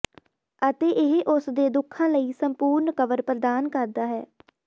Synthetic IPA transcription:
ət̪eːʔɪɦʔʊsd̪eːd̪ʊkʰːãːləiːsəmpuːɾnkəʋəɾpɾəd̪aːnkəɾd̪aːɦɛ̰ː

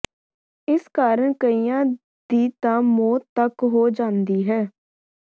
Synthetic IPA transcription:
ɪskaːɾəɳkəijãː | d̪iːt̪ãːmoːt̪ːəkɦoːd͡ʒãːnd̪iːɦɛː

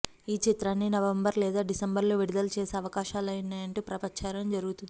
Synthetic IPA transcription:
iːt͡ʃit̪ɾaːnːinɐʋɐmbɐɾlɛːd̪aːɖisɐmbɐɾlo̞ːʋiɽud̪ɐlut͡ʃeːseɐʋɐkaːʃaːlɐjnaːjɐɳʈuːpɾɐpɐɲt͡ʃʰaːɾɐmd͡ʒɐɾuɡut̪u

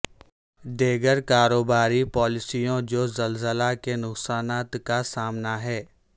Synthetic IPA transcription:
ɖeːɡəɾkaːɾoːbaːɾipɔːlɪsijõd͡ʒoːzəlzəlakenʊksaːnaːt̪kasaːmnaɦɛː

